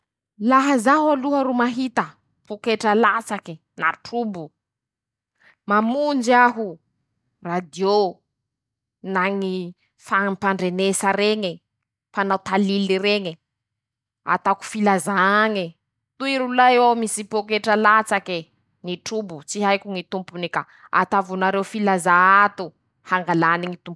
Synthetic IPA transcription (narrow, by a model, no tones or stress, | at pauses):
laɦazaɦualuɦəɾumaɦit̪ə | pokeʈ͡ʂalat͡saki | naʈ͡ʂubu | mamund͡ʒiaɦu | rad̪io | naŋi | faŋimpaɳɖ͡ʐenesaɾeɲe | fanawt̪aliliɾeɲe | a̰t̪aku̥filazaŋe | t̪uiɾulaewamisipokeʈ͡ʂalat͡sake | niʈ͡ʂubut͡siɦajkʲuŋit̪umpunika | a̰t̪avunaɾewfilazaat̪u | haŋɡalaniŋit̪ump